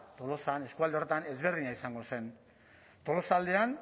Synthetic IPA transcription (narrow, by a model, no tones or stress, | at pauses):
t̪o̞lo̞sane̞skuald̪eo̞ret̪ane̞zβe̞ɾðiɲaisaŋɡo̞se̞n | t̪o̞lo̞sald̪e̞an